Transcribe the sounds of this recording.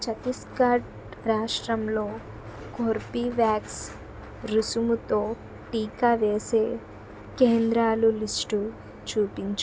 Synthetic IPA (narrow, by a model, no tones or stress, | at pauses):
t͡ʃɐt̪iskaːɾʈ | ɾaːʂʈɾɐmloː | koɾpiʋjaːks | ɾusumut̪oː | ʈiːkaʋeːseː | keːnd̪ɾaːlulisʈu | t͡ʃuːpiɲt͡ʃ